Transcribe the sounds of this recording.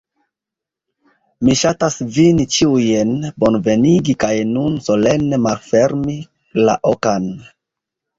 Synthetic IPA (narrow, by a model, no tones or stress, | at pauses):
miʃatasvinit͡ʃiujenbo̞nve̞niɡikajnunso̞le̞nːe̞malfe̞ɾmi | la̰ʔokan